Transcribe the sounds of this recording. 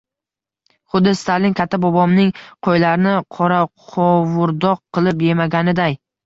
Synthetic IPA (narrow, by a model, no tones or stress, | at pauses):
χʊd̪ːɪst̪ʰalɪnkʲʰat̪ʰːabɒbɒmnɪŋqʰojlaɾɪnɪqʰɒɾaqqʰɒvʊɾd̪ɒq̚ʰːɨlˠɪp̬je̞maɡʲanɪd̪aj